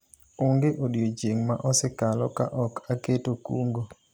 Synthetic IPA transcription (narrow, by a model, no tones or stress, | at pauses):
ʊŋɡeʔodjod͡ʒeŋmaʔɔsɪkalɔka̰ʔɔkaketokuŋɡo